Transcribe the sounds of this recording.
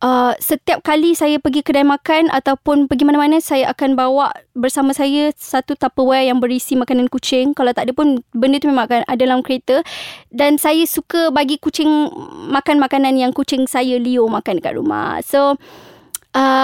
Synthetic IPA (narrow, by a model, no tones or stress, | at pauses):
ʔəsət̪iap̚kalisajəpəɡikədajmãkanʔa̰t̪awpʊnpəɡimanãmanə̃sajaʔakanbawaʔbərsamãsajəsat̪ut̪apəwɛjaŋbəɾisimakanankut͡ʃɪŋkalawt̪aʔdəpʊnbəndət̪umemãŋkanʔadəlamkɾet̪ədansajəsukəbaɡikut͡ʃɪŋmakanmakananjaŋkut͡ʃɪŋsajəliomakandəka̰t̪̚ɾṵma̰hso | ʔə